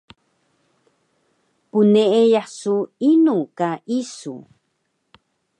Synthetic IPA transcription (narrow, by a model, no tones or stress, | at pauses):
puneʔejaħsuinukaʔisṵ